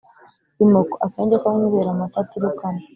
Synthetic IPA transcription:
imokoʔakeːɲɟekauɲuβeɾamakatiɾukama

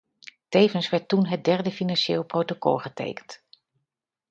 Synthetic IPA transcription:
tejvənsʋɛɹtːunɦət̚dɛɹdəfinanʃeːlˠprowtokɔ̰lˠχətḛjkənt

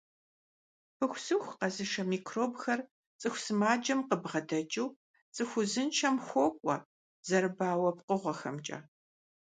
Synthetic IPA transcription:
pʰɨxʷsɨxʷqɐzɨʂɐmiːkʰroːbxɐr | t͡sʼɨxʷsɨmaːd͡ʒɐmqəbʁɐdɐd͡ʒiw | t͡sʼɨxʷʊzɨnt͡ʃʰɐmxʷɔkʷʼɔ̰ | z̥ɐrbaːwɐpqəʁʷɐxɐmt͡ʃʼɐ̰ː

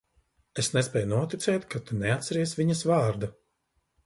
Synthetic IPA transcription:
esnɛspʲɛːjunuɔt̪it̪sɛːt̪kʰat̪unɛat̪sɛɾiɛsvʲiɲɐsvɑːɾd̪a

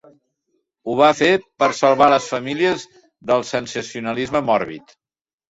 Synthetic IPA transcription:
uβ̞afepəɾsəlˠβaləsfəmiliəz | ðəlˠsənsəsiunəlizməmɔɾβḭt̪

